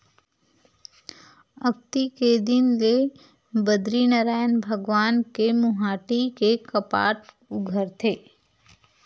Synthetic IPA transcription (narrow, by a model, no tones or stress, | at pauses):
ək̚t̪iked̪ɪnle | bəd̪ɾinəɾaːjənbʱəɡʋaːnkemʊɦaːʈikekəpa̰ːʈ | ʊɡʱəɾt̪ʰeː